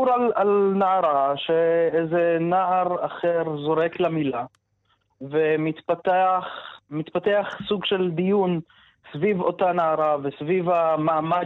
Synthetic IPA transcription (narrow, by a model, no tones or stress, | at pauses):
uɾalalnaaʁaʃeezenaʔaʁaχeʁzo̞ʁeklamila | vemit̪pat̪eaχmit̪pat̪eaχsuɡʃe̞ld̪ijun | svivo̞tanaaʁavesvivamaːma